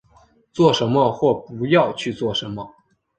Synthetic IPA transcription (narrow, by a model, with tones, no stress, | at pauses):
t͡swɔ˥˩ʂə˧˥nmə˧xwɔ˥˩pu˧˥jɑ˥˧ʊt͡ɕʰy˥˧t͡swɔ˥˩ʂə˧˥nmə˧